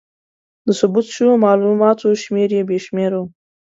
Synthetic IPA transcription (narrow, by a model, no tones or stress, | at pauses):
d̪əsʊbut̪ʃumɑlumɑt̪oʃmeɾjebjeʃmeɾo